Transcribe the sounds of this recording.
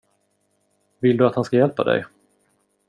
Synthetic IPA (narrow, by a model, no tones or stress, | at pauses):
vɪld̪ɵat̪hanskajɛlpad̪ɛ̰j